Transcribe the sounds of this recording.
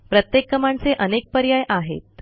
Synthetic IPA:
pɾət̪jekːəmaɳt͡seʔənek̚pəɾjajʔaɦḛt̪̚

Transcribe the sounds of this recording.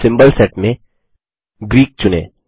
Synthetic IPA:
sɪ̃mbəlsɛʈmẽ | ɡɾiːk̚t͡ʃʊnḛː

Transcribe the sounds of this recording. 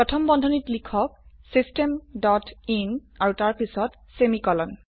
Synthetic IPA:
pɹɔtʰɔmbɔndʱɔnitlikʰɔk̚sistemdɔtinaɹutaɹpisɔt | semikɔlɔn

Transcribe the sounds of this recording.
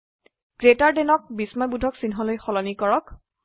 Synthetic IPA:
ɡ̥ɹetaɹdenɔk̚bismɔjbudʱɔksinɦɔlojxɔlɔnikɔɹɔk

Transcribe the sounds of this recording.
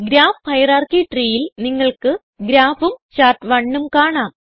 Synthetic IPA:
ɡɾaːfhɐjɐraːrkiʈriːjilniŋːɐɭkɨ | ɡɾaːfumɕaːrʈʋɐɳːumkaːɳaːm

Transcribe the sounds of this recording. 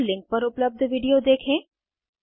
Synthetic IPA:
lɪ̃ŋk̚pɐɾʊpləb̚d̪ʱʋiːɖijod̪eːkʰẽː

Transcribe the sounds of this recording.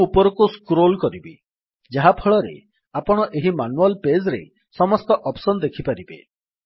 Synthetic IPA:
upɔɾɔkuskɾolkɔɾibi | d͡ʒaɦapʰɔɭɔɾḛ | apɔɽ̃ɔʔeɦimanualped͡ʒɾḛ | sɔmɔst̪ɔʔɔpsɔnɔd̪ekʰipaɾibḛ

